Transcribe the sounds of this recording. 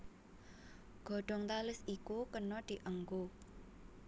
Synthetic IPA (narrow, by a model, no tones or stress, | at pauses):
ɡ̥ɔ̤ɖ̥ɔ̤ŋt̪alɪsikukənɔd̪̥i̤ʔəŋɡo